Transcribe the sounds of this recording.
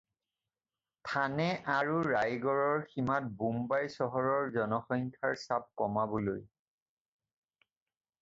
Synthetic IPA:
tʰanɛʔaɹuɹajɡɔɹɔɹximat̚bumbajsɔɦɔɹɔɹzɔnɔxɔŋkʰaɹsap̚kɔmabɔloj

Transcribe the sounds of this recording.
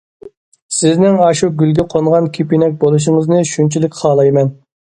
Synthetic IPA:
sɪznɪŋɑʃuɡʲylɡʲiqʰoɴʁɑnkʲʰipinɛk̚ʲbolˠuʃ̬ɪŋəznɨʃunt͡ʃʰilɪkʲχʰɑːlˠɑjmɛn

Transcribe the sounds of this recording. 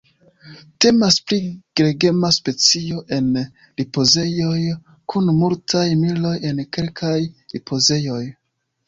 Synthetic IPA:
te̞maspliɡ̥ɾe̞ɡe̞maspe̞t͡sio̞ʔe̞n | lipo̞ze̞jo̞j | kʰunmultʰajmilo̞je̞nke̞lkʰajlipʰo̞ze̞jo̞j

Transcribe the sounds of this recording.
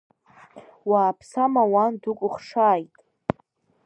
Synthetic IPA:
waːpʰsamawandukʷʼʊχʂaːjtʼ

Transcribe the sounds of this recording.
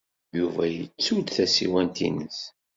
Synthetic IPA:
juvæjət͡sːud̪θæsḭwænt̪ḭnəs

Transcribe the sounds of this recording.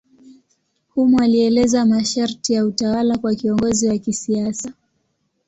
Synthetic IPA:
humualiɛlɛzamaʃaɾtijautawalakwakiɔŋɡɔziwakisiasa

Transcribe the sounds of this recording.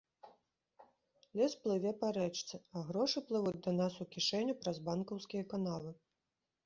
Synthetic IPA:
lʲɛsplˠɨvʲɛpaɾɛt͡ʂt̪sɨɐɣɾɔʂɨplˠɨvud͡zʲd̪ɐnasukʲiʂɛnʲupɾazbankɐwskʲijɐkanalˠɨ

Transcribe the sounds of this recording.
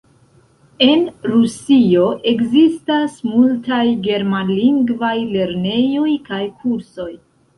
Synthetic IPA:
e̞nɾusio̞ʔe̞kzistasmultajɡe̞ɾmaliŋɡvajle̞ɾne̞jo̞jkajkʰuɾso̞j

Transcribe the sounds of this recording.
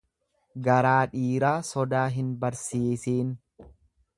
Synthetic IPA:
ɡɐɾaːᶑiːɾaːsɔd̪aːɦɪnbɐɾsiːsiːn

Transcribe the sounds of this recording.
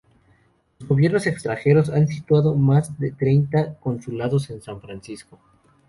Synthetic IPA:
lo̞zɣo̞βje̞ɾno̞se̞kst̪ɾaŋxe̞ɾo̞sansit̪waðo̞mazðe̞t̪ɾe̞jnt̪ako̞nsulaðose̞nsaɱfɾansisko̞

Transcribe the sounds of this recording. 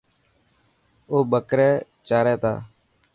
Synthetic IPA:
oːbəkɾɛː | t͡ʃaːɾɛːt̪a̰ː

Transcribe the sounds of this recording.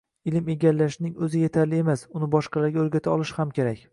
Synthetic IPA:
ɪlɪme̞ɡʲalːaʃnɪŋɵzɪje̞t̪ʰaɾlɪe̞masʊnɪbɒʃqɑlaɾɡʲaɵɾɡʲat̪ʰaɒlɪʃhamkʲe̞ɾakʲ

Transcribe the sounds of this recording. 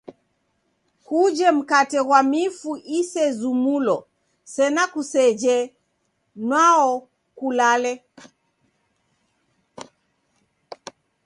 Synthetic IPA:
kud͡ʒɛm̩katɛɣwamifuʔisɛzumulɔ | sɛnakusɛd͡ʒɛ | nwaɔ | kulalɛ

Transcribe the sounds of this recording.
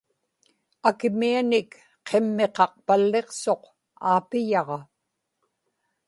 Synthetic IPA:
akɪmianɪk | qʰe̞mːe̞qɑq̚palːe̞qso̞q | aːpɪjɑʁɑ

